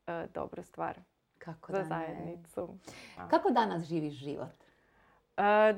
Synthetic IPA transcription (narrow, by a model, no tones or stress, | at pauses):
əd̪o̰bɾust̪ʋa̰ːɾ | kʰakozazajed̪nit̪sukakod̪anasʒiːʋiʃʒḭʋo̰t̪ | ə